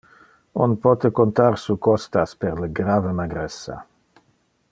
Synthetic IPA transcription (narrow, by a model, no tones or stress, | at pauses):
onpɔt̪ekont̪aɾsukɔst̪aspeɾleɡɾavemaɡɾesːa̰